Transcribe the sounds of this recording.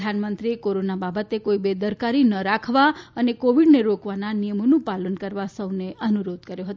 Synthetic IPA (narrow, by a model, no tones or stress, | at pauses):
d̪ʱanmənt̪ɾiekoɾonababət̪ekoibed̪əɾkaɾinəɾakʰʋaənekoʋiɖneɾokʋananijəmonũpalənkəɾʋasəwneʔənuɾod̪̚kəɾjoɦət̪